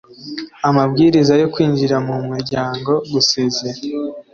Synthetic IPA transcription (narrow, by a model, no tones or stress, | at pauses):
amabɡiːɾizajo̞kwiːnd͡ʒiɾamumuɾɟaːŋɡo̞ɡusezeɾ